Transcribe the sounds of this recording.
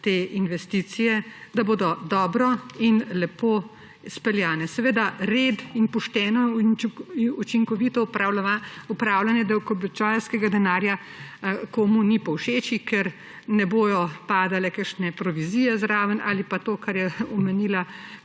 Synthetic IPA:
t̪eːinʋɛst̪it̪sijɛd̪aboːd̪ɔd̪ɔːbɾɔinlɛpoː | spɛljaːnɛsɛʋeːd̪aɾeːd̪inpɔʃt̪ɛnɔ | ut͡ʃiŋkɔʋit̪ɔpaupɾaːwlanjɛd̪ɛwkɔbɛt͡ʃajlskɛɡad̪ɛnaːɾja | koːmunipɔwʃeːt͡ʃikɛɾ | nɛboːjɔpaːd̪alɛkəɾʃnɛpɾɔʋiziːjɛzɾaːʋəna̰ːlipat̪oːkaɾjɛɔmɛniːla

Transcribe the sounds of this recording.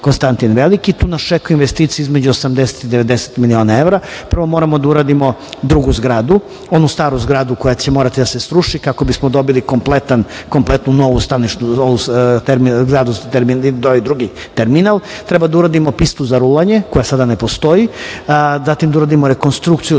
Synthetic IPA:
konst̪ant̪inʋe̞likit̪uːnast͡ʃekojuinʋest̪iːt̪siizmed͡ʑuosamd̪ese̥t̪id̪eʋe̞d̪eset̪milio̞ːnae̞ʋɾapr̩ʋo̞mo̞ːɾamo̞d̪auɾaːd̪imo̞d̪ɾuɡuzɡɾaːd̪u | o̞nust̪aːɾuzɡɾaːd̪uko̞jat͡ɕe̞moɾat̪id̪ase̞sɾuʃikako̞bismod̪o̞bilikomplet̪ankomplet̪nuno̞ʋust̪anit͡ʃnuout̪eɾmiɡɾaːd̪uzt̪eɾminid̪oʋid̪ɾuɡi | t̪eɾminalˠt̪ɾebad̪auɾad̪imo̞pist̪uzaɾulaɲe̞ko̞jasad̪ane̞po̞st̪o̞ji | zat̪imd̪auɾaːd̪imoɾe̞ko̞nst̪ɾukt̪siju

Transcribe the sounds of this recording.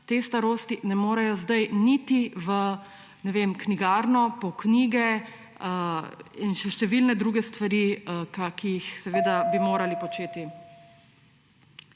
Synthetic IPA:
t̪eːst̪aɾoːst̪inɛmoːɾɛjɔzd̪ajnit̪iʋə | nɛʋemkniɡaːɾnɔpɔkniːɡɛ | inʃɛʃt̪ɛʋilnɛd̪ɾuːɡɛst̪ʋaɾikakijixsɛʋeːd̪abimoːɾalipɔt͡ʃeːt̪i

